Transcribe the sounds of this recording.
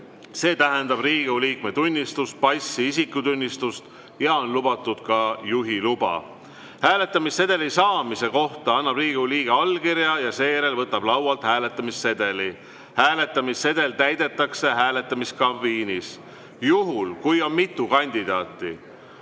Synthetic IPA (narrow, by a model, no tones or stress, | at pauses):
se̞ːt̪æɦe̞nd̪̥ɑbriːɡ̥euliːk̚me̞t̪unʲːist̪us̚pɑjsːiisikːut̪unʲːist̪ust̪ | jɑo̞nlubɑt̪ːˑud̪̥̚kɑjuɦilub̥ɑ̰ | hæːle̞t̪ːˑɑmisːe̞d̪̥e̞lisɑːmise̞ko̞ht̪ɑɑnːɑb̥riːɡ̥euliːɡ̥e̞ɑlkiɾjɑjɑse̞jeɾe̞lvɤt̪ːˑɑb̥lɑwwɑlt̪hæːle̞t̪ːˑɑmisːe̞d̪e̞li | hæːle̞t̪ːˑɑmisːe̞d̪e̞lt̪æjd̪e̞t̪ːˑɑkse̞ɦæːle̞t̪ːˑɑmiskɑviːnis | juɦulkujo̞nmit̪ːˑukɑnʲd̪̥id̪̥ɑːt̪ːˑi